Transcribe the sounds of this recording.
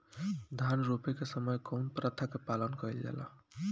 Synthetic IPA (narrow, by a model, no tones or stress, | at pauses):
d̪ʱanɾopekesəməjkɔwnpɾət̪ʰəkːepalənkəild͡ʒɛ̰la̰